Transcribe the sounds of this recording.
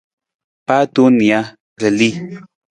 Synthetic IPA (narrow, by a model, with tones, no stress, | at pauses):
pa˦t̪u˦ni˨a˦ | ɾe˨li˦